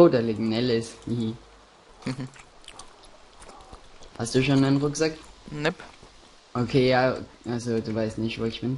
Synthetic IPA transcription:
odeːlɪɡnɛlɪsii | h̩ | hast̚d̥uːʃoːnanʁʊkz̥aknɛp | ʔokʰeːjaːʔalzoduːvaɪstnɪçtvoːɪçb̥ɪn

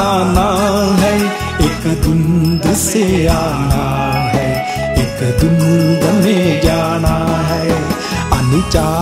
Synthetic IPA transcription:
naɦɛ | ekd̪ʊnd̪seaːna | ɦɛ | ekd̪ʊmbɐned͡ʒaːɽ̃aɦɛ | ɐnɪt͡ʃaː

